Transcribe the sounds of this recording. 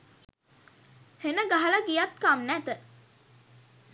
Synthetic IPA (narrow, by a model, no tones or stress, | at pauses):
henəɡaɦaləɡijat̪kamnæt̪ə